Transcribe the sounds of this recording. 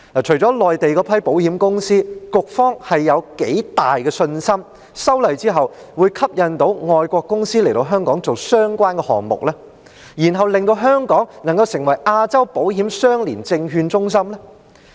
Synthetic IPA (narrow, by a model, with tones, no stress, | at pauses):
a˨˩t͡ʃʰɵ˨˩t͡sɔː˨˥lɔː˨jt̪e˨jkɔː˧pʰɐ˥jpo˨˥whiː˨˥mkʊ˥ŋsiː˥kʊ˨k̚fɔː˥ŋhɐ˨jːɐ˨˧wke˨˥jt̪aː˨jkɛː˧sɵ˧nsɐ˥m | sɐ˥wlɐ˨jt͡siː˥ɦɐ˨w | wuː˨˧jkʰɐ˥p̚jɐ˨˧nt̪o˨˥wŋɔː˨˧jkʷɔː˧kːʊ˥ŋsiː˥le˨˩jt̪o˧wɦœː˥ŋkɔː˨˥ŋt͡so˨wsœː˥ŋkʷaː˥nkɛː˧hɔ̰ː˨ŋmʊ̰˨k̚laː˥ | jiː˨˩nɦɐ˨wlɪ˨ŋt̪o˧wɦœː˥ŋkɔː˨˥ŋnɐ˨˩ŋkɐ˧wsɪ˨˩ŋwɐ˨˩jʔaː˧t͡sɐ˥wpo˨˥wɦi˨˥msœː˥ŋliː˨˩nt͡sɪ˧ŋɦyː˧nt͡sʊ˥ŋs̬ɐ˥mlɛ˥